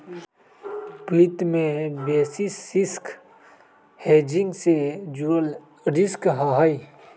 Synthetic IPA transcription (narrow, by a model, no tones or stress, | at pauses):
plɪt̪mẽbɛːsisɪsk | heːd͡ʒɪ̃ŋɡsed͡ʒuəl | ɾɪskɦaɦai